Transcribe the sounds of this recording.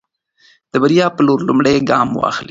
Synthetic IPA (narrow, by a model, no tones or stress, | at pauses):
d̪̥əbaɾijɑpəloɾlʊmɽeɡɑmwɑ̰xli